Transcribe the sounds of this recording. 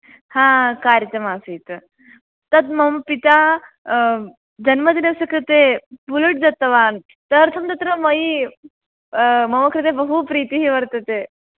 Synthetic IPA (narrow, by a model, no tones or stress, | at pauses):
hãkaːɾət̪ɐmaːsit̪ | t̪ɐt̪mɐmpit̪a | d͡ʒɐnmɐd̪inɐʋsɐkʰɾit̪epuluʈd͡zɐt̪ːɐʋaːn | t̪ɐɾt̪ʰɐmt̪ɐt̪ɾɐmɐi | mɐmɐkʰɾit̪ebɐɦupɾiːt̪iɦiʋɐɾt̪ɐt̪e